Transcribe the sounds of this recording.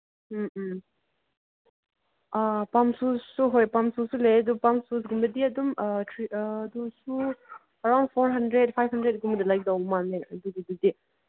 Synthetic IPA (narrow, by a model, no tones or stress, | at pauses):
apamsussuɦojpamsusuleɐdupamsusɡumbɐdiɐdumtʰɾidusu | ɐɾawnd̚pʰoɾɦɐndɾet̚pʰajbhɦɐndɾet̚ɡumɐdilajk̚dawmanneɐdudidudi